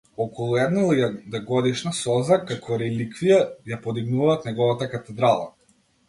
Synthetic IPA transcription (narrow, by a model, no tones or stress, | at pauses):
ɔkɔlˠuɛd̪nalˠjad̪aɡɔd̪iʃnasɔzakakʰɔɾɛlikvijajapɔd̪iɡnuvaːt̪nɛɡɔvat̪akat̪ɛd̪ɾalˠa̰